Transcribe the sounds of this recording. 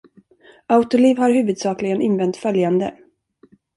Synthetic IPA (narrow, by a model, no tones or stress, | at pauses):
aʊt̪ʊliːvhaɾhʉ̟ːvɵd̪sɑːklɪɡənʔɪnvɛnt̪fœljand̪ə